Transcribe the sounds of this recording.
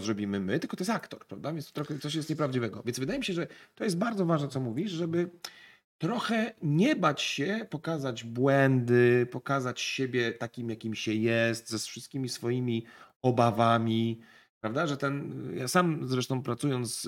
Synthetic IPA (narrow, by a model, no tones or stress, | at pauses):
ɔzɾɔbʲimɘmɘt̪ɘlkɔt̪ɔjɛsakt̪ɔɾpɾavd̪avʲjnst̪ɔt̪ɾɔxɛt̪sɔɕ̬jɛst̪ɲɛpɾavd͡ʑivɛɡɔ̰vʲjɛnzvɘd̪ajemʲiɕɛʐɛt̪ɔjɛst̪̚baɾd̪zɔvaʐnɛt̪sɔmuvʲiʂʐɛbɘ | t̪ɾɔxɛɲɛbat͡ɕɕɛpɔkazad͡ʑbwɛnd̪ɘpɔkazat͡ɕɕebʲjɛt̪akʲimjakʲimɕɛjɛst̪zɛsfʂɨst̪̚kʲimʲisfɔjimʲi | ɔbavamʲi | pɾavd̪aʐɛt̪ɛnja̰samzɾɛʂt̪ɔ̃w̃pɾat̪sujɔnt̪s